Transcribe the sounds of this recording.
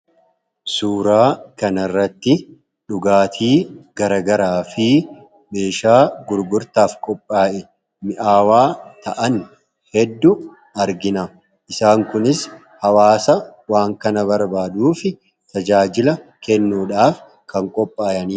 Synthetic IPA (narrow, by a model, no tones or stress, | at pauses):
suːɾaːkɐnɐrːɐt̪ːɪ | ᶑʊɡaːt̪ʰiːɡ̥ɐɾɐɡɐɾaːfɪ | be̞ːʃaːɡʊɾɡʊɾt̪aːfkʼɔpʼːaːʔɛ | mɪʔaːwaːt̪ɐʔɐn | hɛd̪ːʊ | ɐɾɡɪnɐ | ʔɪsaːŋkʊnɪs | hɐwaːsɐwaːŋkɐnɐbɐɾbaːd̪uːfɪ | t̪ɐd͡ʒaːd͡ʒɪlɐkɛnːuːᶑaːf | kɐŋkʼɔpʼːaːjɐniː